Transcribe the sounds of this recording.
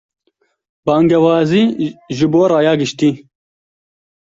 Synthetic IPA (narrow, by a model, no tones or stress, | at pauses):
b̥ɑːŋɡɐwɑːziːʒuboːɾɑːjɑːɡɪʃt̪iː